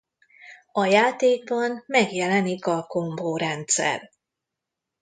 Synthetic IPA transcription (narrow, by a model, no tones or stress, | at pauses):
ɒjaːt̪eːɡ̚bɒnmɛɡjɛlɛnikɒko̞ɱboːɾɛnt̪sɛ̰r